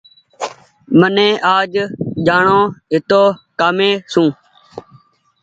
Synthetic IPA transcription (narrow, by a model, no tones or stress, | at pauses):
mənẽːʔaːd͡ʒd͡ʒaːɳõːɦɪt̪oːkaːmẽːsũː